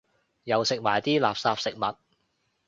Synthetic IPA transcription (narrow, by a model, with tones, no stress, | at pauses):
jɐ˨˩wsɪ˨k̚maː˨˩jt̪iː˥laː˨p̚saː˧p̚sɪ˨k̚mɐ˨t̚